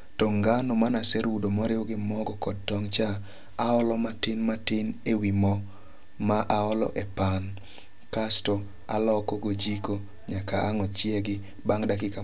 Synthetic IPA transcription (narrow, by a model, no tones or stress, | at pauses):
tɔŋɡanɔmanasɛɾwudomɔɾɪwɔɡɪmɔɡɔkɔd̚tɔŋt͡ʃa | aɔlɔmatɪnmatɪnewimɔ | maʔaɔlɔ̰ʔɛpan | kastɔ | alɔkɔɡod͡ʒiko | ɲakaʔaŋɔt͡ʃjɛɡɪ | baŋdakɪka